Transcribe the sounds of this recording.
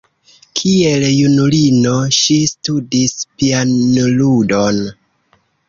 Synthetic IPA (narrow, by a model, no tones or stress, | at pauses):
kʰie̞ljunulinoʃistudispianludo̞n